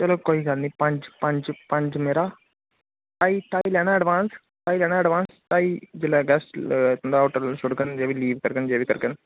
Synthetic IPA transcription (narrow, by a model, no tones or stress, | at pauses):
t͡ʃəloːkoːiːɡəɾniːpəɲd͡ʒpəɲd͡ʒpəɲd͡ʒmeːɾaː | ʈ̪aːiːt̪aːiːlɛːɽ̃aːəɖʋaːns | ʈ̪aːiːlɛːɽaːəɖʋaːnst̪aːiːd͡ʒelaːɡɛst̪ːnd̪aːoːʈəɾsʊɽkənd͡ʒeːʋiliːʋkəɾkənd͡ʒeːʋiːkəɾkən